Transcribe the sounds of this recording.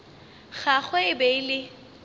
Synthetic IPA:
ɣaχweɪbelɪ

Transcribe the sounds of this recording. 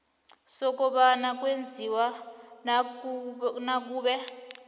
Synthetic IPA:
sɔk̬ʼɔɓanak̬ʼwend͡zʱiwa | nak̬ʼuːɓɛ

